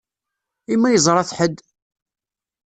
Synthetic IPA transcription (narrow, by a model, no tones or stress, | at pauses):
imːæjəzˤɾˤɑθħəd̪ː